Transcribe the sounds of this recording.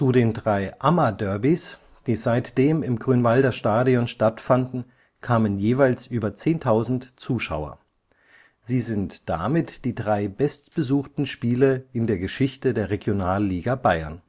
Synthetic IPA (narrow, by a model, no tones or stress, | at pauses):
t͡sudeːndʁaɪʔamadœɐbis | d̥iːzaɪtd̥eːmɪmɡʁyːnvaldɐʃtaːdiɔnʃtatfandn̩ | kʰaːmənjeːvaɪlsʔyːbɐt͡seːntʰaʊzn̩tt͡suːʃa̰ʊɐ̰ | z̥iːzɪntd̥a̰mɪtd̥iːdʁaɪbɛstb̥əzuːxtn̩ʃpiːləɪndeːɐɡəʃɪçtədeːɐʁeɡjonaːlːiːɡabaɪɐn